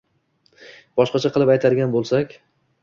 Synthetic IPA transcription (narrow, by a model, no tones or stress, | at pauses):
b̥ɒʃqɑt͡ʃʰaqʰɨlˠɪpajt̪ʰaɾɡʲanbolˠsakʲ